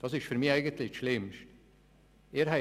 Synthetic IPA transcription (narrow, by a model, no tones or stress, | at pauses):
d̥ɑsɪʃtfyːɾmiːæɪɡənt̪lɪçʃlɪmʃt | eːɾɦæ